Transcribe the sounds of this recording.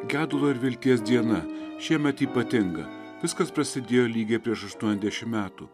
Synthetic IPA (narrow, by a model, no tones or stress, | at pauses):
ɡʲæːd̪ʊlˠoːɪɾʋʲɪlʲt̪ʲiɛs̬d̪ʲiɛnɐʃʲiɛmʲɛt̪iːpɐt̪ʲɪŋɡɐ̰ | ʋʲɪskɐspɾɐsʲɪd̪ʲeːjoːlʲiːɡʲepʲɾʲiɛʃɐʃt̪uɔnʲɛzd̪ʲæʃʲɪmmʲæːt̪ṵː